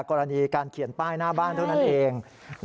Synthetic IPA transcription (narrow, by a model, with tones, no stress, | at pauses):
kɔː˧ɾa˧niː˧kaː˧nkʰi˨˩˦npaː˥˩jnaː˥˩baː˥˩nt̪ʰa˥˩na˥˩nʔeː˧ŋ